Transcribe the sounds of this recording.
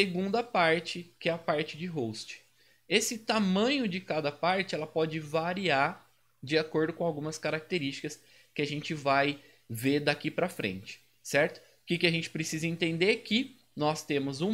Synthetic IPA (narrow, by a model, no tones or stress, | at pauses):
eɡũnd̪ɐpaɾt͡ʃɪkɪɛɐpaɾt͡ʃɪd͡ʒɪɦowst͡ʃɪ̥ | esɪt̪amɐ̃ɲʊd͡ʒɪkad̪ɐpaɾt͡ʃɪɛlɐpɔd͡ʒɪvaɾia | d͡ʒɪakoɾd̪ʊkõawɡũmɐskaɾak̚t̪eɾist͡ʃi̥kɐs | kɪaʒẽnt͡ʃɪvaj | ved̪akipɾɐfɾḛ̃nt͡ʃɪ̥ | sɛɾt̪ʊ̥ | kɪkɪaʒẽnt͡ʃɪ̥pɾesizɐẽnt̪ẽnd̪eɾkɪ | nɔst̪ẽmʊzũ